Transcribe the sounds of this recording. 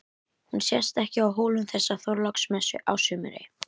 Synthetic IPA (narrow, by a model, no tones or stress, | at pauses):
hunsjɛst̪ɛhcɪawɦoːlʏmθɛsːaθɔɾlɔksmɛsʏ̰ʔa̰wsʏːmɪ̰ɾɪ̰